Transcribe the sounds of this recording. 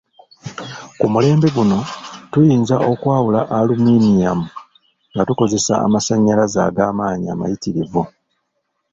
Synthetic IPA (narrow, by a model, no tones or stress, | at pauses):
kumule̞ːmbeɡuno̞tujiːnzaʔo̞kwaːwulaʔaluminijamu | ŋɡatuko̞ze̞sa̰ːmasaɲːalaza̰ːɡaːmaːɲia̰ma̰jitiɾivu